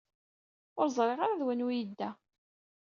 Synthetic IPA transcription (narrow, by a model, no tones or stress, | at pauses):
ʊɾzˤɾˤeʁaɾaðwænujid̪ːæ